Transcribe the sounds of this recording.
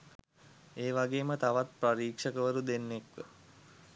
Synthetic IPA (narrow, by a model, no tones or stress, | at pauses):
eːʋaɡeːmət̪aʋat̪̚praɾiːkʂəkəʋəɾud̪enːekʋə